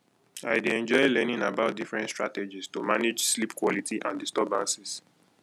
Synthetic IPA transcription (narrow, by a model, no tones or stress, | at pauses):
aɪdeɛ̃nd͡ʒɔɪlɛnĩnabaʊt̚difɹɛ̃ntstɹa̰tɛd͡ʒistumaned͡ʒslipkwɔlitiʔã̰ndistɔbãnsɛs